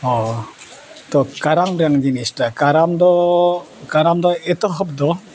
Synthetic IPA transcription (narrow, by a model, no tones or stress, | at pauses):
ɔ | t̪ɔkaɾaŋɾaŋɡinistakaɾamdɔ | kaɾamd̪ɔet̪ɔɦɔp̚d̪ɔ